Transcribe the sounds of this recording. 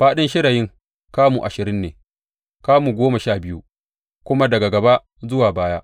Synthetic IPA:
ɸaː˦ɗɪ˦nʃɪ˦ɽa˨jɪ˦ŋ | kaː˦mu˨ʔa˨ʃɪ˨ɾɪ˦nːeː˨ | kaː˦muː˨ɡʷoː˦ma˨ʃaː˦˨bɪ˦jṵ˦ | kʷʊ˦ma˦dɐ˨ɡa˨ɡɐ˨ba˦ʔ | zʊ˦waː˨baː˦jaː˦ʔ

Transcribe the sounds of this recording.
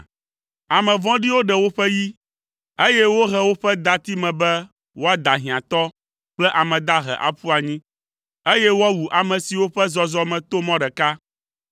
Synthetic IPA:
a˨mɛ̃˨vɔ̃˦ɖi˦wo˦ɖɛ˨wo˦ɸɛ˦ji˦ | e˦jɛ˦wo˦ɦɛ˦wo˦ɸɛ˦d̪a˨t̪i˦mɛ̃˨bɛ˦ | wo˦a˦d̪a˨ɦĩ˨ã˨t̪ɔ˦ | k͡plɛ˦ʔa˨mɛ̃˨d̪a˦ɦɛ̰˨ʔa̰˨ɸu˦a˨ɲĩ˦ | e˦jɛ˦wo˦a˦wu˨ʔa˨mɛ̃˨si˨wo˦ɸɛ˦zɔ˦zɔ˦mɛ̃˨t̪o˦mɔ̃˦ɖɛ˨ka˦

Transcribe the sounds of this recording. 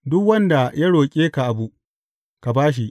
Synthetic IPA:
dʊ˦kwɐ˦nda˨ja˦ɽoː˨kʲʼeː˦ka˨ʔa˨bu˨ʔ | ka˨baː˦ʃ̬i˨ʔ

